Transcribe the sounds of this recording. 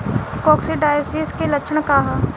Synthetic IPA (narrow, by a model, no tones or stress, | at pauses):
kɔːksiɖaːjosiːskelɐkʃʰɽkaɦa